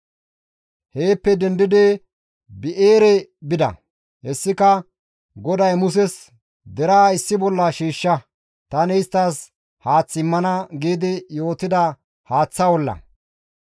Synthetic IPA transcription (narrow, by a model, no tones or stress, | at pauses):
he̞ːpːɛd̪ɛnd̪ɪd̪ɪ | bɪʔeːɾɛbɪd̪ɐ̰ | hɛsːɪkɐ | ɡɔd̪ɐjmʊs̬ɛs | d̪ɛɾaːɪsːɪbɔlːɐʃiːʃːɐ | t̪ɐnɪjst̪ːas | haːt͡sːɪmːɐnɐɡiːd̪ɪjo̞ːt̪ɪd̪ɐ | haːt͡sːɐwɔlːɐ̰